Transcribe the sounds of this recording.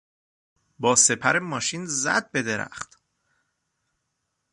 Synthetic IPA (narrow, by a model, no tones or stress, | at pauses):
bɒːse̞pʰæɾemɒːʃiːnzæ̰d̪̚be̞d̪eɾæ̰χt̪